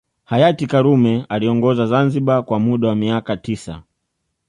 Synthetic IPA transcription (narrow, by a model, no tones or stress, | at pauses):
hajatikaɾumɛaliɔŋɡɔzazanziɓakwamuɗawamiakatisa̰